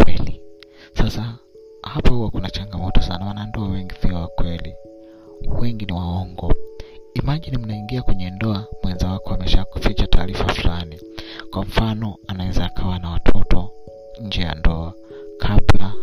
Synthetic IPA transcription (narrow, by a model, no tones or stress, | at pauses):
ɛli | sasa | hapahuwakunat͡ʃaŋɡamɔtɔsanawanandɔawɛŋɡiθiɔwakwɛli | wɛŋɡiniwaɔŋɡɔimaʄinimunaiŋɡiakwɛɲɛndɔamwɛnzawakɔamɛʃaku̥fit͡ʃatʰaːɾifafulani | kwam̩fanɔanawɛzaːkʰawanawatʰɔtʰɔ | ɲ̩d͡ʒɛja̰ndɔa | kʰabla